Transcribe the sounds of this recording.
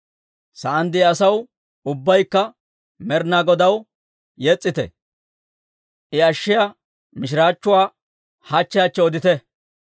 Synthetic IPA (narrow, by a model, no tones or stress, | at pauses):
sɐʔɐnd̪ɪɐsɐw | ʊbːɐjkːɐ | mɛɾnaɡɔd̪ɐw | jɛt͡sʼːɪt̪ɛ̰ | ʔɪɐʃːɪja | mɪʃ̬ɪɾaːt͡ʃːʊwaː | hɐt͡ʃːɪjat͡ʃːɛɔd̪ɪt̪ɛ